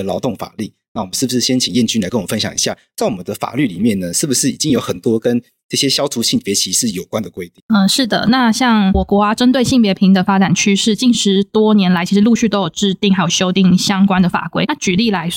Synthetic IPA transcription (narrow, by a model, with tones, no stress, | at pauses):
əlɑ˧˥ʊt̪ʊ˥˩ŋfa̰˨˩li˥˩ | na˥˩wə˦ʂ̩˥˩bu˩ʂɻ̩˥˩ɕjɛ˥nt͡ɕʰi˨˩ŋjɛ˥˩nt͡ɕy˥nla˧˥ɪkə˥nwɔ˨˩˦fə˦nɕjɑ̰˨ŋḭ˧˥ɕja̰˥˩t͡sa˥˩ɪwɔ˨˩mə˦nd̪ə˧fa̰˨˩ly˥˩li˨˩mjɛ˥˩nnə˩ʂɻ̩˥˩bu˩ʂɻ̩˥˩ḭ˨˩t͡ɕi˦˥ŋjo˧˥ʊxə˨˩nt̪wɔ˥kə˦n | ʈ͡ʂɤ˥˩ɕjɛ˦˥ɕjɑ˥ʊt̪ʰu˧˥ɕi˥˩ŋpjɛ˧˥t͡ɕʰi˧˥ʂɻ̩˥˩jo˨˩ʊkwa˦nd̪ə˨˩kwe˥ɪt̪i˥˨ŋə˧ʂɻ̩˥˩d̪ə̰˩na˥˧ɕjɑ˥˩ŋwɔ˨˩kwɔ˧˥a˧ʈ͡ʂə˥nt̪we˥˧ɪɕi˥˩ŋpjɛ˧˥pʰi˧˥ŋd̪ə˨fa˥ʈ͡ʂa˨˩nt͡ɕʰy˥ʂɻ̩˥˧˩t͡ɕi˥˩nʂɻ̩˧˥t̪wɔ˥njɛ˧˥nla˧˥t͡ɕʰi˧˥ʂɻ̩˧lu˥˧ɕy˥˩t̪o˥ʊjo˨˩ʊʈ͡ʂɻ̩˥˧t̪i˥˩ŋxa˧˥ɪjo˨˩ɕjo˥ʊt̪i˥˩ŋɕjɑ˥ŋkwa˥nd̪ə˨fa̰˨˩kwe˥ɪna˥˩t͡ɕy˨˩li˥˩la˧˥ɪ